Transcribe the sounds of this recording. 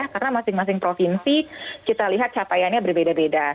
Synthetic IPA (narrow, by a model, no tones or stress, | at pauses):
ahkarnamasɪŋmas̬ɪŋpɾofinsikit̪aliɦat̪̚t͡ʃapajanɲabərbedabeda